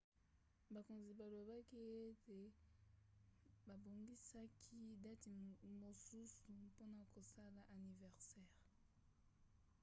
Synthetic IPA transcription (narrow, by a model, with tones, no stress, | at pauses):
ba˨ko˨nzi˨ba˨lo˨ba˦ki˦e˦te˨ | ba˨bo˨ŋɡi˦sa˦kʰi˦da˦ti˨mo˨su˦su˨po˦na˨ko˨sa˦la˨ʔa˨ni˨vɛ˨ʁsɛː˦˨ʁ